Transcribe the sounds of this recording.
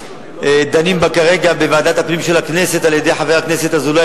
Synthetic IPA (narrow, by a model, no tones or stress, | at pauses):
d̪animbakaʁe̞ɡabevaːd̪at̪hapnimʃe̞lakne̞se̞t̪aljed̪e̞jħave̞ʁakne̞se̞t̪azula